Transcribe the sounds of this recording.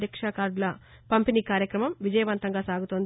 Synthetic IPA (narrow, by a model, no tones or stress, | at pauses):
ɐkʂaːkaːɾɖlɐ | pɐmpiniːkaːɾjɐkɾɐmɐmʋid͡ʒɐjɐʋɐnt̪ɐŋɡaːsaːɡut̪oːnd̪